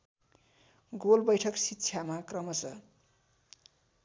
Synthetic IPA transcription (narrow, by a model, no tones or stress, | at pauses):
ɡolbʌjʈʰʌksitːt͡sʰjamakrʌmʌt͡sʰʌ